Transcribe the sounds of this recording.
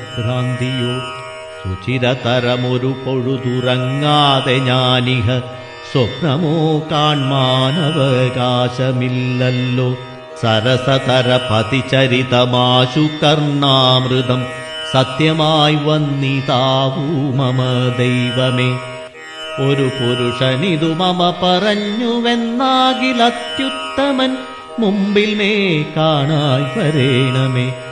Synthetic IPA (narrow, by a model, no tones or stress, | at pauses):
bɾaːnd̪ʱijoː | sut͡ɕiɾɐt̪ɐɾɐmoɾukoɻud̪urɐŋːaːd̪eɲaːniɦɐ | sɐpnɐmoːkaːɳmaːnɐʋɐkaːɕɐmilːɐlːoː | sɐɾɐsɐt̪ɐɾɐpɐt̪it͡ɕɐɾit̪ɐmaːɕukɐrɳaːmrid̪ɐm | sɐt̪jɐmaːjʋɐnːit̪aːʋumɐmɐd̪ejʋɐmeː | oɾupuɾuʂɐniðumɐmɐpɐrɐɲːuʋenːaːɣilɐt̪jut̪ːɐmɐn | mumbilmeːkaːɳaːjʋɐɾeːɳɐmeː